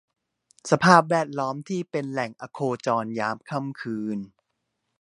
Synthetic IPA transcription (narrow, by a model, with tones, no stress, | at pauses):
sa˧pʰaː˥˩p̬̚wɛː˥˩t̪̚lɔː˦˥mt̪ʰiː˥˩pe˧nlɛ˨˩ŋʔa˧kʰoː˧t͡ɕɔː˧njaː˦˥mkʰa˥˩mkʰɯː˧n